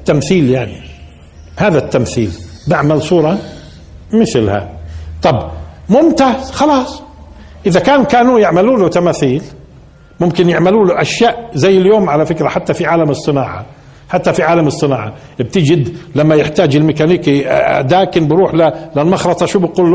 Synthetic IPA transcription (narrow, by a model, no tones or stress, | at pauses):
t̪ːamθiːljaʕni | haːðat̪ːamθḭːlbaʕmalsˤuːɾˤɑ | mɪθlha̰t̪ˤɑbmʊmt̪aːzxɑlɑːsˤ | ʔɪðakaːnkaːnujɪʕmaluːlʊt̪amaːθiːl | mʊmkɪnjɪʕmaluːlʊʔaʃjaːʔzajːɪljoːmʕalafɪkɾaħat̪ːafiʕaːlamɨsˤːɨnaːʕɑ̰ | ħat̪ːafiʕaːlamɨsˤːɨnaːʕɑ | b̚t̪ɪd͡ʒɪd̪lamːajɪħt̪aːd͡ʒɪlmɪkaniːkd̪aːkɪnbɪɾuːħlalɪlmɑxɾˤɑt̪ˤɑʃuːbɪquːlːu